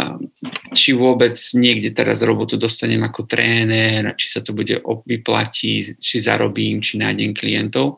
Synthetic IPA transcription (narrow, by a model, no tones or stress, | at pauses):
t͡ʃiʋʊɔbɛd͡zɲɪɛɡɟɛt̪ɛɾa̰zɾɔbɔt̪ud̪ɔst̪aɲɛmakɔt̪ɾɛːnɛɾt͡ʃi̥sat̪ɔbuɟɛ̰ʔɔʋipla̰cʰḭt͡ʃiza̰ɾɔbiːmt͡ʃinajɲɛmklijɛnt̪ɔʊ